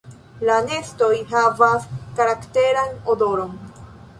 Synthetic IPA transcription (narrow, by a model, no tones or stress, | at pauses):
lane̞sto̞jɦavaskaɾakte̞ɾanodo̞ɾo̞n